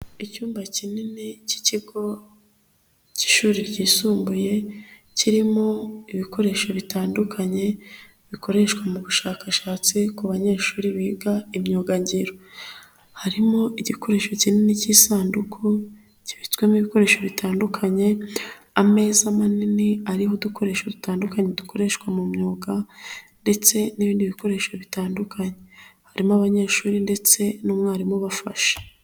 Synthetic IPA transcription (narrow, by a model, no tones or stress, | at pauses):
icuːmbacininici̥ciɡo̞ | ci̥ʃuːɾiɾɟiːsuːmbuje̞ | ciɾimo̞iβiko̞ɾe̞ʃoβitaːndukʰaɲe̞ | βikʰo̞ɾe̞ʃkwamuβuʃaːkaʃaːt͡sikuβaɲe̞ːʃuːɾiβiːɡaimɲoːɡaɲɟiɾo | haɾimo̞ʔiɟiko̞ɾe̞ʃo̞cininicisaːndukʰu | ci̥βit͡skwemiβiko̞ɾe̞ːʃo̞βitaːndukʰaɲe̞ | ame̞ːzamaniniaɾihoduko̞ɾe̞ʃwodutaːndukaɲedukʰo̞ɾe̞ʃkwamumɲoːɡande̞t͡se̞niβiːndiβiko̞ɾe̞ːʃoβitaːndukʰaɲehaɾimoaβaɲe̞ːʃuːɾinde̞t͡se̞nomŋaːɾimoβafa̰ʃe̥